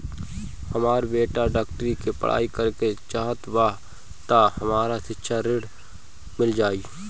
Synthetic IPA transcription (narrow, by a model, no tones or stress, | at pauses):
həmaːɾbeːʈaɖaːkʈəɾikepə̰ɽ̤ʔa̰ːikəɾket͡ʃaːɦət̪waː | t̪ahɐmaːɾasɪtːʃʰaɾɪɖ | mɪld͡ʒaːiː